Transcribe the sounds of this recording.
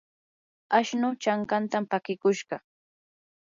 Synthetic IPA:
aʃnʊt͡ʃaŋkant̪ampakɪkʊʃɢɑ

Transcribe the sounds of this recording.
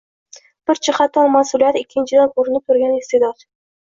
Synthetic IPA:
b̥ɪɾt͡ʃʰɪχɑt̪ʰɒnmasʊlijat̪ɪkʲʰːɪnt͡ʃʰɪd̪ankʊɾɪnɪp̚t̪ʰʊɾɡʲanest̪ed̪ɒt̪

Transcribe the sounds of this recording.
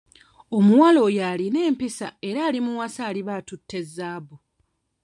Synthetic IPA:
o̞muwalo̞jaline̞ːmpisa̰e̞ɾaːlimuwasaːliβaːtutʰːe̞zːaːβo

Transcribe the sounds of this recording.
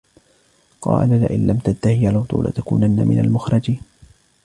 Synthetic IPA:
qɑ̰ːlalaʔɪnlamt̪ant̪ahɪalawt̪ˤṵːla̰t̪akuːnanːamɪnalmʊxɾˤɑd͡ʒiːn

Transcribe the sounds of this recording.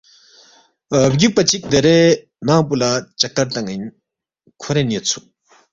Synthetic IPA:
d͡ʑuk̚pat͡ɕik̚d̪eɾɛː | naŋpolat͡ɕak̚t̪aɹt̪aŋjin | kʰoɾɛneːt͡sʰuʔ

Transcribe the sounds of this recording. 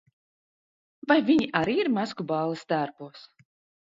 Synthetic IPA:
vajviɲiʔaɾiːiɾmaskubɑːlˠist̪aɾpuɔs

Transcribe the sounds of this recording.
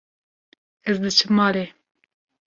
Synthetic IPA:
ɛzd̪ɨt͡ʃʰɨmɑːɾe

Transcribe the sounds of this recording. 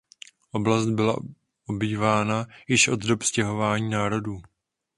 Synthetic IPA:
ʔo̞blast̪̚bɪla̰ | ʔobiːvaːnajɪʃʔo̞d̪do̞pscɛɦo̞vaːɲiːnaːɾo̞duː

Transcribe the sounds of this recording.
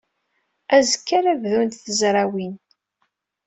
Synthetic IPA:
æzəkːaɾævðunt̪θəzɾˤawin

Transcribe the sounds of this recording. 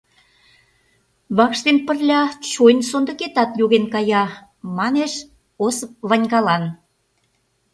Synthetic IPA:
βɑkʃt̪enpə̆rlʲɑt͡ɕojnsond̪ə̆ket̪ɑt̪joɣenkɑjɑ | mɑneʃ | osəp̚βɑnʲɣɑlɑn

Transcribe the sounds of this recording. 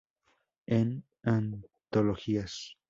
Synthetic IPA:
en | ant̪oloxias

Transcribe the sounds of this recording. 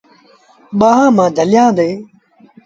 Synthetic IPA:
ɓaːɦãːmãːd̪ʱəlɪjãːd̪eː

